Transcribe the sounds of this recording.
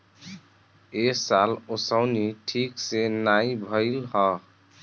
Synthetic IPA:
esalosəʊniʈʰiksenaibʱəɪlɦɔ

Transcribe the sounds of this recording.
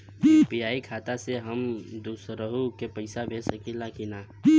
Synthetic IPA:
piːaːikʰaːt̪aseɦəmd̪uːsɾəɦukepəɪsabʱesəkilakinaː

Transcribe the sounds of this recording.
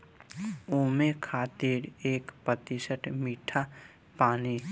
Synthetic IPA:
uːmekʰaːt̪iɾeːkpət̪isəʈʰmiːʈʰa | paːni

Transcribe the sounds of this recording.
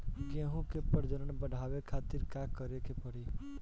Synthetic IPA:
keɦũkepəɾd͡ʒəɾəɳbəɽʱaʋekʰat̪iɾkakəɾekepəɽi

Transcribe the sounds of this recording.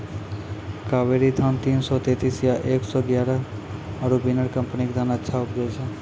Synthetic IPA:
kaʋeɾid̪ʱant̪insɔt̪et̪isjaʔeksɔɡjaɾə | əɾubinəɾkəmpnikd̪ʱanətːʃʰaupd̪ejʃʰe

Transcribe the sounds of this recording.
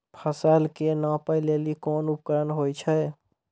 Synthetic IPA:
pʰəsaːlkenãːpəɪlelikoːnʊp̚kəɾənɦoːit͡ʃʰɛ

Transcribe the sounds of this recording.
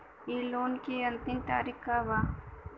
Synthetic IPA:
iːloːnkiɐ̃nt̪ɪmt̪a̰ːɾɪkkabaː

